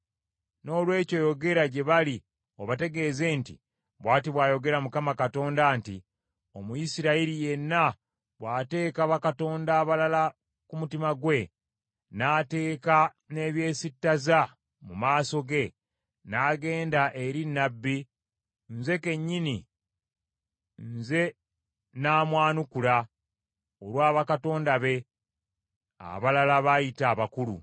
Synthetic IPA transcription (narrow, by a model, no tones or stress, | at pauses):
no̞ːlwe̞ːco̞jo̞ɡe̞ɾaɟe̞βali | o̞βate̞ɡe̞ːze̞ntḭ | βwaːtiβwaːjo̞ɡe̞ɾamukamakato̞ːndanti | o̞mujisiɾaiɾije̞nːa | βwaːte̞ːkaβakato̞ːndaːβalala | kumutimaɡwe̞ | naːte̞ːka | ne̞βje̞ːsitːaza | mumaːso̞ɡe̞ | naːɡe̞ːndaʔe̞ɾinːabːi | nze̞ke̞ɲːini | nze̞ | naːmwaːnukula | oɾwaːβakato̞ːndaβe̞ | a̰βalalaβajitaːβakulṵ